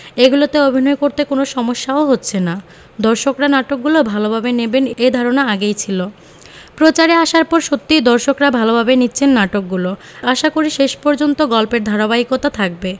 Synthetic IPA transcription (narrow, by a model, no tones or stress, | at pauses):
eɡulot̪eobʱinɔekoɾt̪ekonoʃɔmoʃːaoɦotːɕʰena | d̪ɔɾʃokɾanaʈok̚ɡulobʱalobʱabenebenejd̪ʱaɾonaaɡejt͡ɕʰilo | pɾot͡ɕaɾeaʃaɾpɔɾʃot̪ːid̪ɔɾʃokɾabʱalobʱabenitːɕʰenːaʈok̚ɡulo | aʃakoɾiʃeʃpɔɾd͡ʑont̪oɡɔlpeɾd̪ʱaɾabaikot̪at̪ʰak̚be